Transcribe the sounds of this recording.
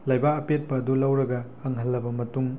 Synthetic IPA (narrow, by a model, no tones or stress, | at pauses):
lajbaɐpet̚pɐːdulɐwɾɐɡɐːŋɦɐlːɐbɐmɐtuŋ